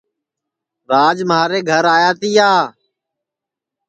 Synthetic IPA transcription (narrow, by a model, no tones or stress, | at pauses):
ɾaːd͡ʒmaːɾeːɡʱəɾaːjaːt̪iːaː